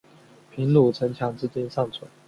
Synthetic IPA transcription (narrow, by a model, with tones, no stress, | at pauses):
pʰi˧˥nlu˨˩t͡sʰə˧˥ŋt͡ɕʰjɑ˧˥ŋt͡sɹ̩˥˧t͡ɕi˥˧nsɑ˥˩ŋt͡sʰwə˨˩˦